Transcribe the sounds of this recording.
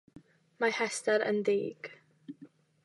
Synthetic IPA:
mahɛstaɾə̰ndiːɡ̥

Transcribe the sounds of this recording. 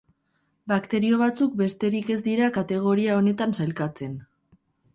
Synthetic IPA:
bakt̪e̞ɾio̞βat͡suk̚be̞st̪e̞ɾike̞zd̪iɾakat̪e̞ɣ̞o̞ɾiao̞ne̞t̪ansajlkat͡se̞n

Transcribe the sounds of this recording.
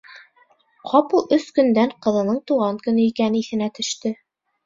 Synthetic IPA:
qʰɑpɤlˠɵskɵ̆nd̪æɴqɤ̆ðɤ̆nɤɴt̪uʁɑŋkɵ̆nɘikænɘiθɘ̆næt̪ɵ̆ʃt̪ɘ

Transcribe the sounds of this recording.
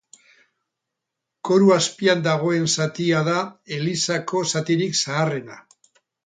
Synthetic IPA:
ko̞ɾuaspiand̪aɣ̞o̞e̞nsat̪iað̞ae̞lisako̞sat̪iɾiksaːre̞na

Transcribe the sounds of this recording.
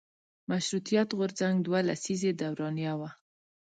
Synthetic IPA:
maʃɾut̪ijat̪ɣʊɾzaŋɡd̪walasized̪awɾɑnjawa

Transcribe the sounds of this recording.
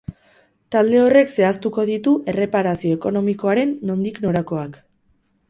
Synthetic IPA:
t̪ald̪e̞o̞re̞kse̞ast̪uko̞ðit̪uʔe̞re̞paɾasio̞e̞ko̞no̞miko̞aɾe̞nːo̞nd̪ikno̞ɾako̞ak

